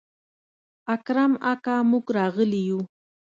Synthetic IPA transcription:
akɾamakaːmʊkɾaːɢɪlɪju

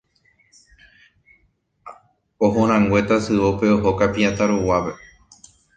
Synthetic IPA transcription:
oɦõɾ̃ãŋɡwe̞t̪asɨʋope̞oɦokapiat̪aɾowape̞

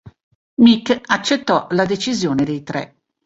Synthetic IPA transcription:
mikːat͡ʃːet̪ːɔlad̪et͡ʃizjoːned̪ejt̪ɾɛ̰

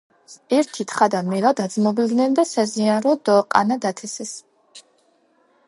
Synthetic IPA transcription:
ɛɾt̪ʰit̪ʰχad̪amɛlˠad̪ad̪zmɔbid̪nɛnd̪asazianɾɔd̪̥ɔqʼa̰nad̪at̪ʰɛsɛs

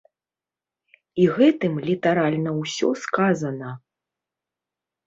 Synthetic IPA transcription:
iɣɛt̪ɨmlʲit̪aɾalʲnɐwsʲɔ̰skazɐnɐ

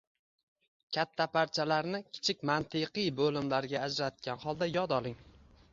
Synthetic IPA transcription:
kʲʰat̪ʰːapʰaɾt͡ʃʰalaɾnɪkʲʰɪ̥t͡ʃʰɪkʲmant̪ʰɪqɨjbolɪmlaɾɡʲaːd͡ʒɾat̪̚ɡʲanhɒlˠd̪ajɒd̪ɒlˠɪŋ

